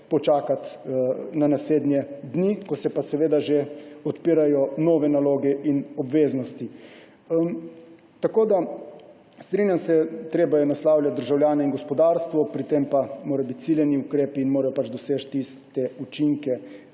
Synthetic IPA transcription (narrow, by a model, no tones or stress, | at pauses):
pɔt͡ʃaːkat̪nanasleːd̪njɛd̪nikɔsɛpasɛʋeːd̪aʒeɔt̪piːɾajɔnɔːʋɛnaloːɡɛʔinɔbʋeːznɔst̪i | t̪akoːd̪a | st̪ɾinjamsɛt̪ɾeːbajɛnaslaːwlʲjat̪̚d̪əɾʒawlʲjaːnɛinɡɔspɔd̪aːɾst̪ʋɔpɾit̪empamoːɾajbit̪̚t͡ssiljɛniukɾeːpiːnmoːɾajɔpat͡ʃd̪ɔseːt͡ʃt̪iskt̪eut͡ʃiŋkɛ